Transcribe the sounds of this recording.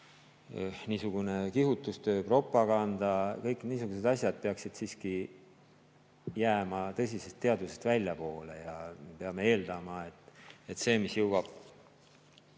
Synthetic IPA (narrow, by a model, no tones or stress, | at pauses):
niːsuɡ̥une̞kihut̪ːˑust̪ø̞ːpro̞pːˑɑkɑnd̪̥ɑkɤjkːniːsuɡ̥us̬e̞d̪̥ɑsʲjɑd̪̚peɑksid̪̥siːski | jæːmɑt̪ɤ̞s̬ʲise̞st̪ːeɑd̪use̞st̪vælʲjɑpo̞ːle̞jɑepe̞ɑme̞e̞ːld̪̥ɑmɑe̞t̪ːˑet̪se̞ːmisjɤwwɑb̥